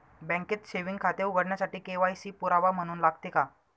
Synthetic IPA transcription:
bɛ̃ŋket̪ɕeʋiŋɡkʰat̪euɡəɽɳjasaʈiːkeʋajsiːpuɾaʋam̤əɽ̃uːnlaɡt̪eka

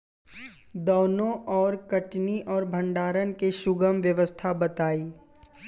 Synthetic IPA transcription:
d̪oːnõʔɔːɾkəʈniʔɔːɾbʱə̃ɳɖaːɾənkeʃʊɡəmʋjəʋəst̪ʰabɐt̪aːiː

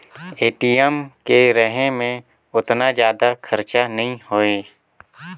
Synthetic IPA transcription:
eːʈiəmkeɾəɦẽmẽ | ʊt̪nad͡ʒjaːd̪akʰɐɾt͡ʃanɐɦĩhoːeː

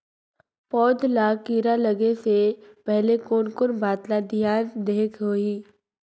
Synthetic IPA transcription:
pɔːd̪lakiːɾalɐɡesepɛɦlekoːnkʊnbaːt̪lad̪ʱijaːnd̪eːkʰɦoːiː

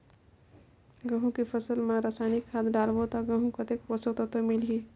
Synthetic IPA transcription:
ɡəɦũkipʰəsəlmeɾasajnikʰːad̪ɖalbot̪ɔɡəɦũkət̪ekposət̪ət̪omilɦi

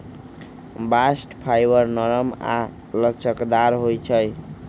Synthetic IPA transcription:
basʈpʰajbəɾnəɾəma̰ | lət͡ʃʰəkd̪aɾɦojt͡ʃʰəj

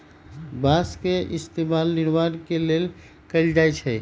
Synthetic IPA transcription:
baskeʔist̪emalniɾmankelel | kəjld͡ʒajt͡ʃʰɛ

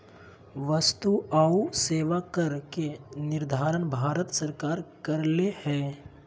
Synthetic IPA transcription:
ʋəst̪uaːuseːʋakəɾkenɪɾd̪ʱaːɾənbʱaːɾət̪səɾkaːɾkɐɾlehɛ̃ː

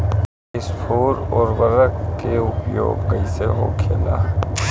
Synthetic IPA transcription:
ɪspʰoːɾɔːɾʋəɾəkkeʊpjo̰ːɡɡɐiseɦo̰kʰeːla̰ː

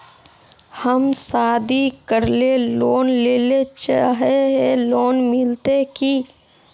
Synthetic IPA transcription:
həmsaːd̪ikəɾleloːnleːlet͡ʃaɦeɦeloːnmɪlt̪eki

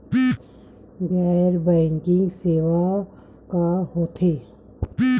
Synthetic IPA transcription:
ɡɛːɾbɛ̃ːŋkɪ̃ŋɡseːʋa | kaɦoːt̪ʰeː

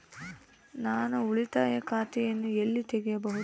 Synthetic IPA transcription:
naːnuuɭit̪aːjɐkaːt̪ɛjɐnːuelːit̪ɛɡɛjɐbɐɦu

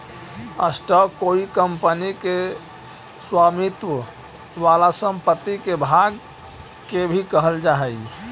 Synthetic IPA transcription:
ə̰sʈəkoikəmpənike | swamit̪wə | ʋalasəmpət̪ːikebʱaɡ | kebʱikəɦəld͡ʒaɦɛj

